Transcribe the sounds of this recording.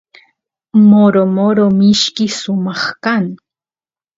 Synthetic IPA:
moɾomoɾomɪʃkɪsʊmɑχkaŋ

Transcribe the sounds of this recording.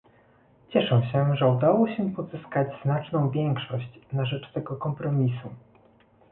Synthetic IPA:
t͡ɕɛʂɛ̃ɕɛʐɛud̪awɔɕɛpɔzɘskad͡ʑznat͡ʂnɔ̃w̃vʲjɛŋkʂɔɕt͡ɕnaʐɛt͡ʂt̪ɛɡɔkɔmpɾɔmʲisu

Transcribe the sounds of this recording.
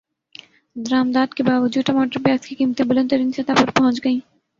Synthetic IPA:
d̪əɾaːmd̪aːd̪kebaːʋəd͡ʒuːd̪ʈɐmaːʈəɾpɛːkskikiːmt̪ẽbʊlə̃nt̪əɾiːnsɐt̪apɐɾpɐɦʊ̃t͡ʃɡɐĩː

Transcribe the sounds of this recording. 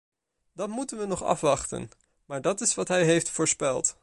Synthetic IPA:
dɑtmutənʋənɔχɑ̰fʋɑχtə̰n | maːɹdɑtɪsʋɑtɦɛjɦejftfʊːɹspɛlˠt

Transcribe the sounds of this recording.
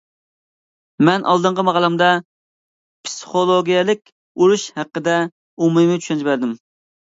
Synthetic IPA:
mɛnʔɑ̰lˠd̪əɴqəmɑʁlˠɛmd̪ɑ | pʰsi̥χolˠoɡʲijɛlˠɪkʲ | uɾuʃhæqːəd̪ɛ | umumɨt͡ʃʰy̥ʃɛnt͡ʃbæɾd̪ɪm

